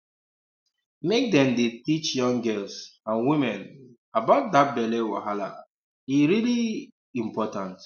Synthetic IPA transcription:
mek̚dɛ̃mdetit͡ʃjɔ̃ŋɡɛlsãnwimɛ̃n | abaʊt̚dat̚bɛlɛwa̰ɦala̰ | iɹili | ĩmpɔtãnt

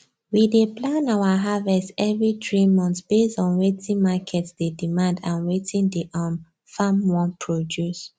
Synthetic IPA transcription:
wideplãnawaɦavɛstɛvɹitɹimɔ̃nθb̥estɔ̃nɹetʰĩnmakʰɛtsdedimãndãnɹetʰĩndeʔãn | famwɔ̃npʰɹɔdjus

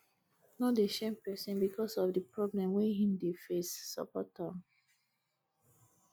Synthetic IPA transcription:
nɔdeʃɛ̃mpɛsɛ̃nbikʰɔsɔfdipɹɔblɛ̃mwɛ̃hĩmdefesːɔ̰pɔtãm

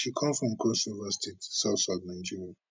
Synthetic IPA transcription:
ʃikʰãmfɹɔ̃mkʰosuvastʰetsaʊtsadnãnd͡ʒiɹia

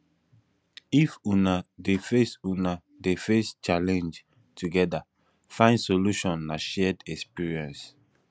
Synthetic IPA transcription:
ifunadefesuna | defest͡ʃalɛ̃nd͡ʒ | tʰuɡɛda | fãɪ̃nsoluʃɔ̃nːaʃɛdɛkspiɹiɛ̃ns

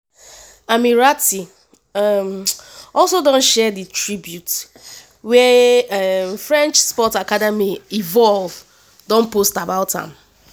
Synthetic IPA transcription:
amiɹati | mɔlsodɔ̃nʃɛditɹibjut | wɛamfɹɛ̃nt͡ʃspɔtakadɛmiivɔlv | dɔ̃npostabaʊtã̰m

